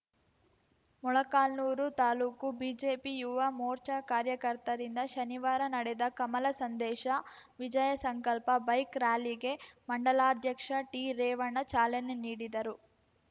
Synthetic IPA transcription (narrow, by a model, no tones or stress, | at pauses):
mɔɭɐkaːlnuːɾut̪aːluːkubiːd͡ʒeːpijuʋamoːɾt͡ʃɐkaːɾjɐkɐɾt̪ɐɾind̪ɐʃɐniʋaːɾɐnɐɽed̪ɐkɐmɐlɐsɐnd̪ɛːʃɐʋid͡ʒɐjɐsɐŋkɐlpɐbɐjkɾaːliɡe̞mɐɳɖɐlaːd̪ʱjɐkʂɐʈiɾɛːʋɐɳɐt͡ʃaːleneniːɽid̪ɐɾu